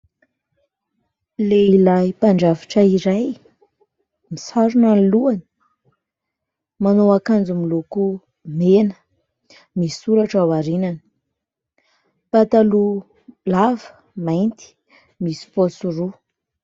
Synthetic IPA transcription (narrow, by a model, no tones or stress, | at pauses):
leilajpaɳɖ͡ʐaviʈ͡ʂaiɾaj | misaɾunanluani̥ | manoakand͡zumiluku | menə̥ | misuɾaʈ͡ʂawaɾinani̥ | pat̪alu | lavə̥ | majnt̪i̥ | misi̥posuɾu